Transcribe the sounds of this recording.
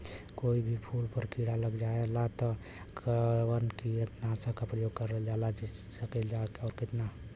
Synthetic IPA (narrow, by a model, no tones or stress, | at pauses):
koibʱipʰulpəɾkiɽaləɡd͡ʒaelat̪ɔ | kʰəɾwənkiəʈnasə̃kapɾəjoɡ̚kəɾəld͡ʒalad͡ʒisəkɛld͡ʒakeɔːɾkɪt̪na